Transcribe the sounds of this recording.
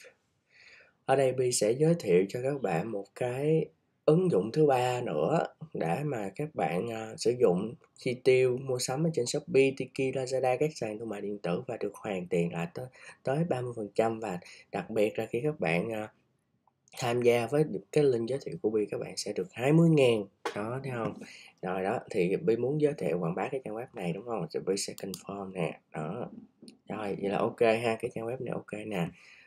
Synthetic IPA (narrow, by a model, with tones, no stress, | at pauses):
ʔəː˧˩ɗə˧jɓi˧sɛ̰˧˥zəː˨˦jt̪ʰḭ˧˨əwt͡ɕɔ˧kaː˦˥k̚ɓa̰ː˧˨nmo˨˩t̚kaː˨˦j | ʔɨ˨˦ŋzʊ̰˧˨ŋ͡mt̪ʰɨ˨˦ɓaː˧nɨ̰˧˥əɗa̰˧˩˥maː˨˩kaː˦˥k̚ɓa̰ː˧˨nː˧˩sɨ̰˧˩zʊ̰˧˨ŋ͡m | xi˧t̪i˧wmu˧əsə˨˦mʔə˨˩t͡ɕe˧nswk͡p̚ɓi˧t̪i˧ki˧laː˧za˧ɗaː˧kaː˦˥k̚saː˨˩ŋt̪ʰu˧ma̰ː˨˩ɗḭ˨˩ənt̪ɨ̰˧˩vaː˨˩ɗɨ˨˩ək̚hwaː˨˩ŋt̪i˨˩ənla̰ː˧˨jt̪t̪əː˨˦jɓaː˧mɨ˧jfə˨˩nt͡ɕa˧mvaː˨˩ɗa˨˩k̚ɓi˨˩ət̚laː˨˩xi˧kaː˦˥k̚ɓa̰ː˧˨nʔː | t̪ʰaː˧mzaː˧vəː˨˦jkaː˨˦jlï˧ŋ̟zəː˨˦t̪ʰḭ˧˨wkṵ˧˩əɓi˧kaː˦˥k̚ɓa̰ː˧˨nsɛ̰˧˥ɗɨ˨˩ək̚haː˧jmɨ˧əjŋaː˨˩nɗɔ˨˦t̪ʰɛ˨˦hə˧wŋ͡mzɔ˨˩jɗɔ˨˦t̪ʰi˨˩ɓi˧mu˨˦ənzəː˨˦jt̪ʰḛ˧˨kwa̰ː˧˩nɓaː˨˦kaː˨˦jt͡ɕaː˧nwɛ˦˥p̚na˨˩jɗʊ˨˦wŋ͡mhə˧wŋ͡mtɓi˧sɛ˧kə˧nfɔ˧mnɛ̰˨˩ɗɔ˨˦zo˨˩j̰laː˨˩ʔo˧ke˧ɦaː˧kaː˨˦jt͡ɕaː˧nwɛ˦˥p̚na˨˩jʔo˧ke˧naː˨˩